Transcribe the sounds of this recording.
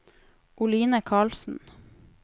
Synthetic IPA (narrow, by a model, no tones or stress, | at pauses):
ʔʊliːnəkʰɑːlsn̩